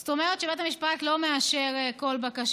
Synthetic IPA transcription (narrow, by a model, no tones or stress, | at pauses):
st̪o̞meʁetʃebet̪amiʃpat̪lo̞meaʃe̞ʁeko̞lbakaʃ